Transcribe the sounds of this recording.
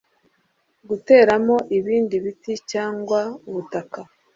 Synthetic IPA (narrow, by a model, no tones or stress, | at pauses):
ɡute̞ːɾamo̞ʔiβiːndiβiticaːŋɡwauβutaka